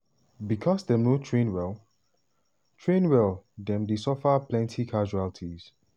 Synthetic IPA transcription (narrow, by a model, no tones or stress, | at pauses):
bikʰɔsdɛ̃mnotʰɹẽnwɛlˠ | tʰɹẽnwɛldɛ̃mdesɔfəplɛ̃ntʰikʰaʒualtʰiz̥